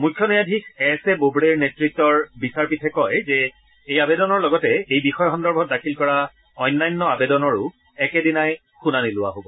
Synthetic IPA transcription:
mujkʰːjɔnijadʱikʰɛsɛbobɹeɹnetɹik̚tɔɹbisaɹpitʰɛkɔjzɛ | ejabedɔnɔɹlɔɡɔtɛejbixɔjɔxɔndɔɹbʱɔt̚dakʰilkɔɹa | ɔjnːajnːɔabedɔnɔɹʊ | ɛkɛdinaj | xunanilʊwa̰ɦobɔ

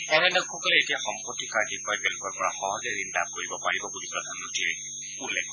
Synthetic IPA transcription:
ɛnɛnɛxɔkɔlɛetijaxɔmpɔtːikaɹtikbajbɛlkɔɹpɔɹaxɔɦɔzɾinda̰b̚koɹibɔpaɹibɔɡudipɹɔd̪ʱanːɔtiɛ | ulːekʰɔ

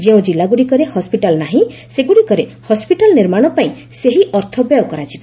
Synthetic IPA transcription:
d͡ʒeũd͡ʒilaɡuɽikɔɾehɔspiʈalnaɦĩseɡuɽikɔɾehɔspiʈalɔniɾmaɽ̃ɔpaĩseɦiʔɔɾt̪ʰɔbjɔjɔkɔɾad͡ʒiba

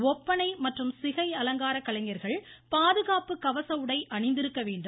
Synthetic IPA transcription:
ɔpːɐnɐɪmɐʈrɯmsɪɣɐɪɐlɐŋɡaːɾɐkːɐlɐŋɡɐɾɣɐɭpaːðɯɣaːpɯkɐʋɐsɐʋɯɽɐɪʔɐɳɪnd̪ɪɾɯkːɐʋeːɳɖɯ

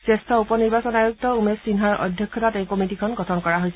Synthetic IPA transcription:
sestʰɔupɔniɹbasɔnajuk̚tɔumesinɦaɹʔɔ̰dʱjɔkkʰːɔtatejkomitikʰɔnɡɔtʰɔnkɔɹaɦojsɛ

